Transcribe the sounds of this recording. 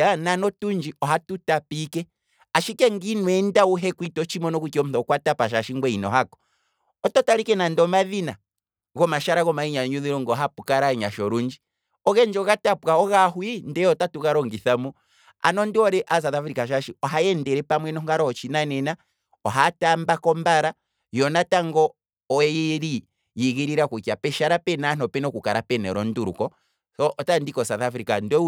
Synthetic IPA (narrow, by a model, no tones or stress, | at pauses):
ananɔtuɲd͡ʒiɔɦatutapikɛ | aʃikɛŋɡinwɛndauɦɛkwitɔt͡ʃimɔnɔkukiɔm̩θɔkwatapaʃ̬aʃiŋɡwɛinɔ̰ɦakɔ̥ | ɔtɔtaɾikɛnandɔmaðina̰ | ɣɔmaʃaɾaɣɔmaiɲaɲuðiɾɔŋɡɔɦapukaɾaɲa̰ʃɔɾuɲd͡ʒi | ɔɣɛnd͡ʒɔɣatapaɔɣahwindɛɔtatuɣaɾɔŋɡiθamɔ | a̰nɔndiɔɾɛʔas̬aθafɾikaʃ̬aʃiɔɦajɛndɛɾɛpamwɛnɔŋɡaɾɔhɔt͡ʃinanɛna | ɔɦatambakɔmbaɾa | jɔnataŋɡɔ | ɔɛjiɾi | jiɣiɾiɾakukiapɛʃaɾapɛnanɔpɛnɔkukaɾapɛnɛɾɔnduɾṵkɔ | θɔʔːtandikɔsaθafɾikandɛ